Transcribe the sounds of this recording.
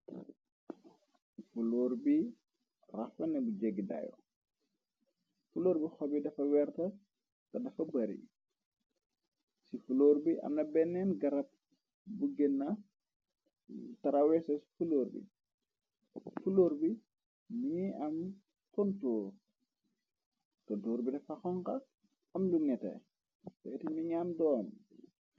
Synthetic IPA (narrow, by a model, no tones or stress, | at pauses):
fuloɾbi | rɐfɐnɛbud͡ʒeɡida̰jɔ̰ | fuloːɾbixɔbidɐfɐwɛɾtɐ | tɐdɐfɐbɐɾḭ | sifuloːɾbiʔɐ̰mnɐbɛnːɛnɡɐɾɐp̚ | buɡɛnːɐ | tɐɾɐwɛsɐsi̥fuloːɾbḭ | fuloːɾbi | miiɐm | tɔntuːr | tɔntuːɾbidɛfɐxɔŋkɐ | mluŋɛtɛ̰ | bɐjtimiɲamdɔːn